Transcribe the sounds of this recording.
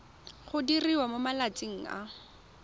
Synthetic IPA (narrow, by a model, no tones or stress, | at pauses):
χʊdiriwamomalat͡sɪŋ̩a̰